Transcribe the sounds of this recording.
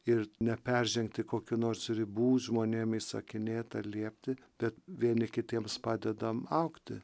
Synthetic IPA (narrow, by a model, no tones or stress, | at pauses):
ɪrnʲɛpʲɛrʲʒʲɛŋkt̪ʲɪkoːkʲunoːrsɾʲɪbuːʒmoːnʲeːmisɐkʲɪnʲeːt̪ɐlʲiɛpʲt̪ʲɪ | b̥ʲɛt̪ʋʲiɛnʲɪkʲɪt̪ʲiɛmspɑːd̪ʲɛd̪ɐmɐʊkt̪ʲɪ